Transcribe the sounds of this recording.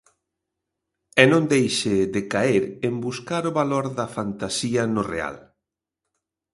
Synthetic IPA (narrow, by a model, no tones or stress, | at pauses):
ɛnõnd̪ejʃɪðɪkaeɾembuskaɾʊβaloɾðɐfant̪asiɐnʊrḛa̰l